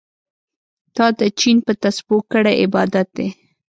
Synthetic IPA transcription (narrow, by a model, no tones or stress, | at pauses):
d̪̥ɑd̪ət͡ʃinpət̪asbukːəɽeʔɪbɑd̪at̪̚d̪e